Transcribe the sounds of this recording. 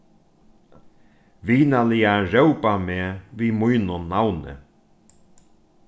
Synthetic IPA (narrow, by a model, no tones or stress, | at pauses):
viːnalijaʐɛwpameːvimujnonawnɛ̰